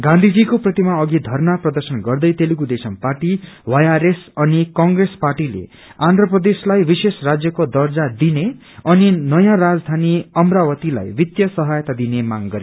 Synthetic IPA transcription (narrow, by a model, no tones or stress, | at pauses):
ɡãnd̪ʱid͡zikoprʌt̪imaʌɡid̪ʱʌrnaprʌd̪ʌrsʌnɡʌrd̪ʌjt̪eliɡud̪esʌmparʈiwajaɾesʌnikʌŋɡresparʈilḛ | ãnd̪ʱɾʌprʌd̪eslajbisesrad͡zjʌkod̪ʌrd͡zad̪ine | ʌninʌjãrad͡zd̪ʱaniʌmrawʌt̪ila̰jbit̪jʌsʌɦajʌt̪ad̪inemaŋɡʌɾej